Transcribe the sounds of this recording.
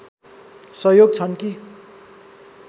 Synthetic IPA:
sʌjoɡ̚t͡sʰʌnki

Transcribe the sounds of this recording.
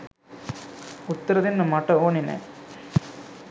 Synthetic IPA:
ut̪ːɐɾɐðinːɐmaʈːɐoːɳinḛ

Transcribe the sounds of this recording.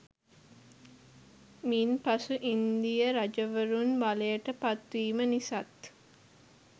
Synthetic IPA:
miːnpasuʔind̪ijəɾad͡ʒɐʋəɾunbalejəʈəpat̪ʋiːmənisat̪

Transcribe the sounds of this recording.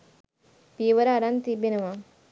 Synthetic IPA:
piʋɐɾaːɾant̪ibinɐʋa

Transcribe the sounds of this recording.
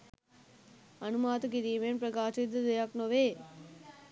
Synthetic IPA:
ɐnumaːt̪ɐkiɾimenpɾɐkaːt͡ʃid̪ɐd̪ejaknoʋeː

